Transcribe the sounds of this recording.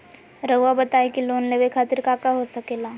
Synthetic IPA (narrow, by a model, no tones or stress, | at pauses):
ɾɐabɐt̪aːekiloːnleːʋekʰaːt̪ɪɾkakaɦosɐkeːlaː